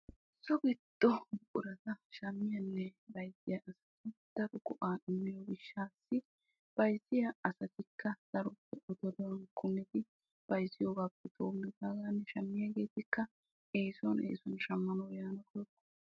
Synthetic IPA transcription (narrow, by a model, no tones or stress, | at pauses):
sɔɡɪd̪̥ːɔbʊʔʊɾɐt̪ɐʃɐmːɪjɐnːɛbɐjzɪjɐʔɐsɐt̪ɪd̪̥ɐɾɔɡɔʔaːɪmːɪjɔbɪʃːaːsːɪ | b̥ɐjzːɪjɐɐsɐt̪ɪkːɐd̪̥ɐɾɔpːɛʔɔd̪ɔd̪ɔwɐnkʰːʊnːɛt̪ɪ | b̥ɐjzːɪjoːɡaːpːɛt̪ʰoːmːɪd̪aːɡaːnːɛʃɐmːɪjɐɡe̞ːt̪ɪkːɐ | e̞ːsɔnḛːsɔnʃɐmːɐnɔwjaːnɐkɔjkːɔ̥